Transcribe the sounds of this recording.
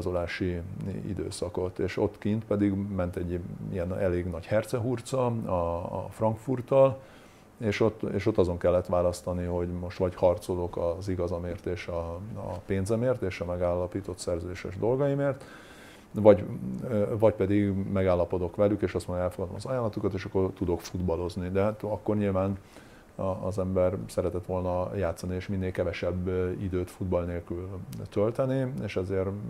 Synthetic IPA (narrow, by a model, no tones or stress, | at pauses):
zo̞laːʃiḭd̪ø̰ːsɒko̞t̪eːʃo̞t̪kint̪pɛd̪iɡmɛnt̪ɛɟːḭɛnɛleːɡnɒɟhɛrt̪sɛɦurt̪sɒɒ̰frɒŋkfurt̪ɒl | eːʃo̞t̪ːeːʃo̞t̪ːɒzo̞ŋkɛlːɛt̪ʋaːlɒst̪ɒniho̞ɟmo̞ʃt̪ʋɒchɒrt̪so̞lokɒziɡɒzɒmeːrt̪eːʃɒpeːnzɛmeːrt̪eːʃɒmɛɡaːlːɒpiːt̪o̞t̪sɛrzøːd̪eːʃɛ̰ʒd̪o̞lɡɒjimeːrt̪ | vɒɟ | vɒɟpɛd̪iɡmɛɡaːlːɒpo̞d̪okʋɛlykeːʃɒst̪mondɛlfoɡɒd̪o̞mɒzɒjaːlːɒt̪ukɒt̪eːʃɒkːort̪ud̪o̞kfud̪bɒlo̞znid̪ɛɦat̪ɒkːo̞rɲilvaːnː | zɛmbɛrsɛɾɛt̪ɛt̪ʋo̞lnɒjaːt̪sɒnieːʃminːeːlkɛvɛʃɛbːid̪øːt̪fud̪bɒlneːlkylt̪ø̞lt̪ɛnieːʃɛzeːr